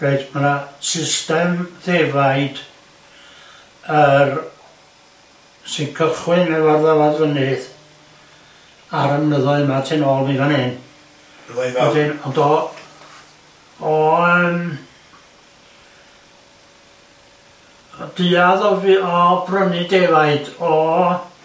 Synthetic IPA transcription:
b̥eːdmənasɪstɛmðevajd̥ | ər | sɪnkʰəχwɨnɛvarðɛlˠaðvənɨð | aɾəmnəðɔɨðmatʰɪnɔːlˠnivanɪn | ɔdɪnɔndɔ | ɔəm | d̥ɨːaðɔviɔbrənɨdevaɨdɔ

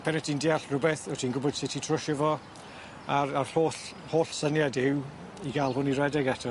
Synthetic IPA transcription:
pʰɛnɛtʰindɪaɬrʊbɛθɔtʰinɡʊbɔd̥sɪtʰitʰrʊʃəvɔ | aɾarhoːɬ | hoːɬsənjadɪw | iɡalˠhʊniɾɛdɛɡɛtʰa

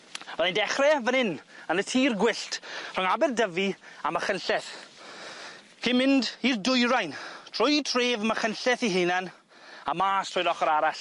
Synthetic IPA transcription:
vɛðɪndɛχrɛvənɪnənətʰiːrɡwɪɬtʰr̥ɔŋabɛrdəviamaχənɬɛθ | kʰimɪndirdʊjɾajntʰr̥ʊjtʰreːvmaχənɬɛθiɦɨnan | amaːstʰrʊjɾɔχɔɾaɾaɬ

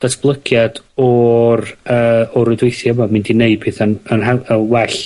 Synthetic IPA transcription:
d̥asb̥lˠəɡjadɔrəːɔɾʊdwejθiəmamĩndɪneɨd̚b̥ʰeːθanənɦaəwɛɬ

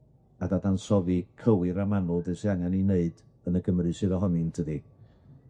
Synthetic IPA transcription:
adadansɔvikʰəwɪɾamanʊlˠdɛsiaŋanineɨd | ənəɡəmrɨsɪɾɔɦɔnɨntʰədi

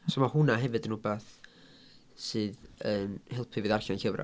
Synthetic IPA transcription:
somahʊnaɦɛvɨdənubaθ | sɨːðənhɪlˠpʰɨvɨːðarɬanɬəvra̰

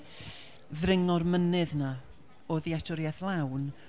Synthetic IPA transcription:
ðrɪŋɔrmənɨðna | oðiatʰɔɾjaθlˠawn

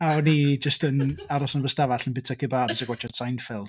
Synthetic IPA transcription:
anid͡ʒəstənaɾɔsɔnvəstavaɬənbɪtʰakʰɪbabɪsaɡwat͡ʃʰɔdsajnfɪl̥ˠ

